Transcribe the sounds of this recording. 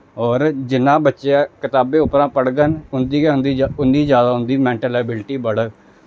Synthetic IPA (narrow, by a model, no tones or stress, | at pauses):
ɔːɾd͡ʒɪnãːbətːʃeaːkɪt̪aːbẽːʊpɾãːpəɽɡənʊnd̪iːɛɦʊnd̪iːʊnd̪iːd͡ʒjaːd̪aːɦʊ̃nd̪iːmɛ̃ːɳʈəlaːbɪlʈiːbəɽə